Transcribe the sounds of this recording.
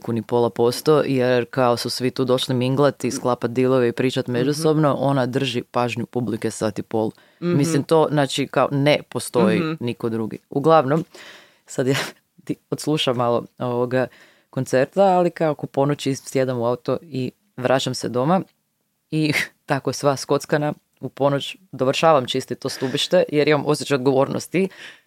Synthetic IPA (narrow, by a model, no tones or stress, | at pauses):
kunipo̞lˠapo̞st̪o̞jeɾkaosusʋit̪uːd̪o̞ʃlimiŋɡlˠat̪isklˠapat̪̚d̪ilˠoʋeipɾiːt͡ʃat̪med͡ʒuso̞bno̞ʔo̞nad̪r̩ʒipaːʒɲupublikesat̪ipo̞lˠ | mislimt̪oːznaːt͡ʃikao̰nepost̪o̞jiniko̞d̪ɾuɡḭuɡlˠaʋno̞m | sad̪ja | t̪iot̪slˠuʃamːalˠo̰oʋoɡa | ko̞nt̪seɾt̪aːlikaokopo̞not͡ʃisje̞d̪amuaut̪o̞i | ʋɾʔat͡ʃamsed̪o̞ma | it̪akosʋasko̞t̪skana | upo̞not͡ʃd̪oʋr̩ʃaːʋamt͡ʃist̪it̪o̞ːst̪ubiʃt̪e̞jeɾimamʔo̞sjet͡ʃaod̪ɡo̞ʋo̞ːɾno̰st̪i